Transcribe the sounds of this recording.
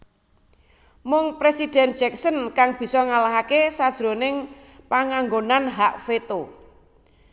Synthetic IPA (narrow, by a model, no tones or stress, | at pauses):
mʊŋpɾesid̥ɛn̥ʒ̥ɛksənkaŋb̥i̤sɔŋalaɦakesad̥ʒ̥ɾonɪŋ | paŋaŋɡonanɦaʔfet̪o